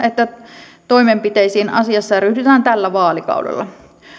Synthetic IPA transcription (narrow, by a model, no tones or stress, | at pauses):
et̪ːæt̪o̞jmempit̪ejsiːnɑ̰siɑsːɑjɑɾyhdyt̪æːnt̪ælːæʋɑːlikɑ̰udḛlːɑ̰